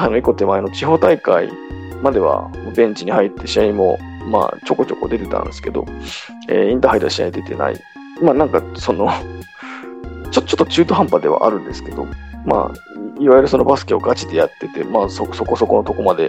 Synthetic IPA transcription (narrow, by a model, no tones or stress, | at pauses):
hainoiko̞t̪e̞maeno̞t͡ɕiɦo̞ːt̪aikaḭ | mad̪e̞βa̰mobẽ̞ɲ̟t͡ɕiɲ̟ihait̪ːe̞ɕiaimo̞̰ | ma̰ːt͡ɕo̞ko̞t͡ɕo̞ko̞̰d̪e̞t̪e̞t̪a̰nɯ̰nd̪esɨ̥ke̞d̪o̞̰ | ḛːĩnt̪ahɦaid̪oaɕia̰id̪e̞t̪e̞̰na̰ḭ | maːnãŋkaso̞no̞ | t͡ɕot̪ːo̥t͡ɕo̥t̪ːot͡ɕɨːt̪o̞ɦãmpad̪e̞a̰ʔaɾɯ̟̃nd̪e̞sɨ̥ke̞d̪o̞̰ma̰iβajoɾɯ̟so̞no̞basɨ̥kʲeo̞ɡat͡ɕid̪e̞jat̪ːe̞t̪e̞̰maːsoso̞ko̞so̞ko̞no̞t̪o̞ko̞mad̪e̞